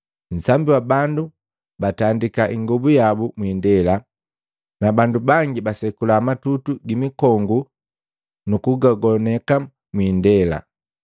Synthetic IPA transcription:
n̩sambiwabandu | batandikaʔiŋɡɔbujabumwindɛla | nabandubaŋɡibasɛkulaːmatutuɡimikɔŋɡu | nukuɡaɡɔnɛka | mwindɛla̰

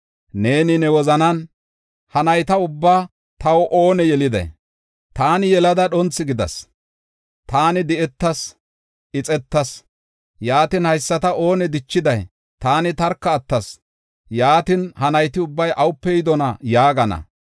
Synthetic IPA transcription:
ne̞ːnɪnɛwɔzɐnɐn | hɐnɐjt̪ɐʊbːaː | t̪ɐwɔʔo̞ːnɛjɛlɪd̪ɐ̰j | t̪aːnɪjɛlɐd̪ɐɗɔnt͡sːɪɡɪd̪ɐ̰s | t̪aːnɪd̪ɪɛt̪ːɐs | ʔɪt͡sʼɛt̪ːɐs | jaːt̪ɪnhɐjsːɐt̪ɐo̞ːnɛd̪ɪt͡ʃːɪd̪ɐj | t̪aːnɪt̪ɐɾkːɐːt̪ːɐs | jaːt̪ɪnhɐnɐjt̪ɪʊbːɐjʔɐwʊpːɛjɪd̪ɔnɐjaːɡɐnɐ̰

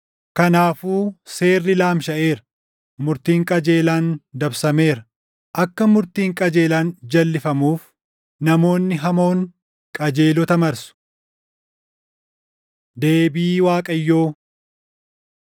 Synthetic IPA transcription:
kɐnaːfuːse̞ːrːɪlaːmʃɐʔe̞ːɾɐ̥ | mʊɾt̪iːŋkʼɐd͡ʒeːlaːnd̪ɐbsɐme̞ːɾɐ | ʔɐkːɐmʊɾt̪iːŋkʼɐd͡ʒe̞ːlaːnd͡ʒɐlːɪfɐmuːf | nɐmo̞ːnːɪɦɐmo̞ːŋ | kʼɐd͡ʒe̞ːlɔt̪ɐmɐɾsʊ̥ | d̪e̞ːbiːwaːkʼɐjːoː

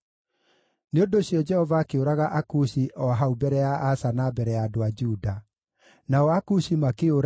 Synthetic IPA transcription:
neondoːɕijɔd͡ʒɛhɔvaːkeoɾaɣaʔakuɕiʔɔaɦaubɛɾɛjaʔasanabɛɾɛjadoad͡ʒuda | naɔakuɕimakeoɾ

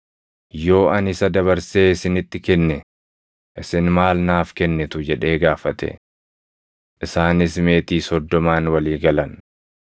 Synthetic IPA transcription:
jo̞ːɐnɪsɐd̪ɐβɐɾse̞ːɪsɪnɪt̪ːɪkɛnːɛ | ʔɪsɪnmaːlnaːfkɛnːɛt̪ʊd͡ʒɛᶑe̞ːɡaːfɐt̪ɛ̰ | ʔɪsaːnɪsme̞ːt̪iːsɔd̪ːɔmaːnwɐliːɡɐlɐn

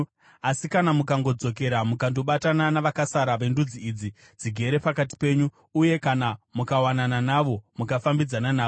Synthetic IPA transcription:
asikanamukaŋɡo̞d͡zo̞k̬e̞ɾamukandoɓatananaʋakasaɾaʋe̞ndud͡ziːd͡zi | d͡ziɡʱe̞ɾe̞pakati̥pe̞ɲuː | je̞kanamukawanananaʋo̞mukafambid͡zananaːo

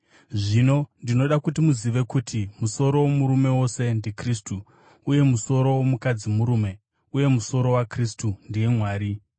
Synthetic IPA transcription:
ʐino̞ndino̞ɗakutimuziʋe̞kutʰimuso̞ɾo̞womuɾume̞wo̞se̞ndikristuː | je̞muso̞ɾo̞womukad͡zimuɾume̞ | uje̞muso̞ɾo̞wakristundije̞mwaːɾi

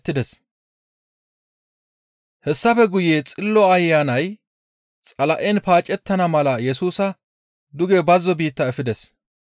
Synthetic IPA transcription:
t̪ːɪd̪ɛs | hɛsːɐfɛɡʊjeːt͡sʼɪlːɔɐjːaːnɐj | t͡sʼɐlɐʔɛnpaːt͡ʃʼɛt̪ːɐnɐmɐlɐjɛsuːsɐ | d̪ʊɡɛbɐzːɔbiːt̪ːɐɛfɪd̪ɛs

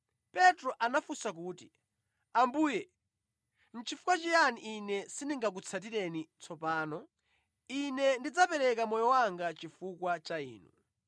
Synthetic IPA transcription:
pɛtɾɔʔanafusak̬uːti | ambuːjɛ | n̩t͡ʃʰifu̥kwat͡ʃijaniʔinɛsiniŋɡak̬ut͡sʰat̬iɾɛnit͡sʰɔpaːnɔ | inɛndid͡zapɛɾɛkamɔjɔwaŋɡat͡ʃifukwat͡ʃaḭːnṵ

